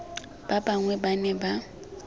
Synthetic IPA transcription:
b̥abaŋwɛbanɛba

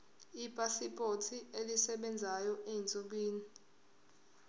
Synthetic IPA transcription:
ipʼasipʼotʰielisɛɓɛnd͡zʱajɔʔent͡sʼoɓiːni

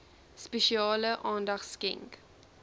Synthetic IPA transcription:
speʃiɑːləʔɑːndɐχskɛ̰ŋk

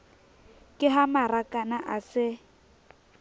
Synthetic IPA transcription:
kʼɪɦamarakʼanaʔasɪ

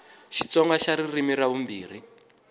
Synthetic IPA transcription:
ʃi̥t͡sɔŋɡaʃaɾirimiɾaβumbiːr̤i

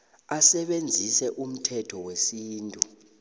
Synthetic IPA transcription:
asɛɓend͡zʱisɛʔum̩tʰɛtʰɔwesiːntʼu

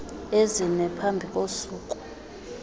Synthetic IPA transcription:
ezinɛpʰambʱikʼosuːkʼu̥

